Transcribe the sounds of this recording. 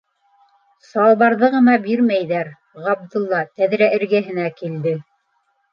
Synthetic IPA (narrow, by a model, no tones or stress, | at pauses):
sɑlˠβɑɾðɤʁɤ̆nɑbiɾmæjðæɾ | ʁɑb̚d̪ŭlˠːɑt̪æðɾæʔɘ̆ɾɡæɦɘ̆nækild̪ɘ